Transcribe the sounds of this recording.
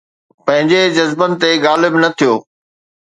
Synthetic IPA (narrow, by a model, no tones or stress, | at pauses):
pɐ̃ɦɪ̃ɲd͡ʑed͡ʑɐzbənɪ̆t̪eɡaːlɪbnɐt̪ʰijoː